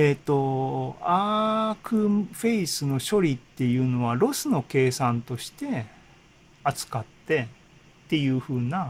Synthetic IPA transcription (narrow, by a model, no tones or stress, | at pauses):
et̪ːo̞aːkɯ̟ɸe̞isɨno̞ɕo̞ɾʲit̪ːe̞jɯ̟ːno̞βaɾo̞sɨno̞ke̞ːsãnt̪o̞ɕi̥t̪e̞ | at͡sɨ̥kat̪ːe̞ | t̪ːe̞jɯ̟ːɸɯ̟ːna